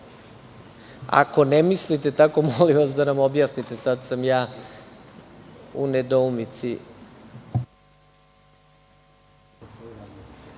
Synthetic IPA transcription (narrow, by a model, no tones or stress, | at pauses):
a̰ko̞nemislit̪e̞t̪ako̞moliʋasd̪anamobjaːsnit̪e̞sad̪samjaː | uned̪oumit̪si